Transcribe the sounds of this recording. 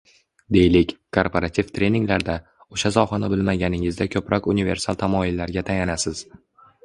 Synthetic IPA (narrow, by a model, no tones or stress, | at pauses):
d̪e̞jlɪkʲkʰoɾpʰoɾat̪ʰift̪ʰɾe̞niŋlaɾd̪a | oʃazɒwχɒnabɪlmaɡʲanɪŋɪzd̪akʲʰɵpɾʔɒkʲʊnive̞ɾsalˠt̪ʰamɒjɪlːaɾɡʲat̪ʰajanasɪz̥